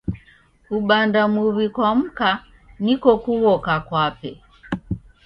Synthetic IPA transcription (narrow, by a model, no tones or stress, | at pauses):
uɓandamuβikwam̩ka | nikɔkuɣɔkakwapɛ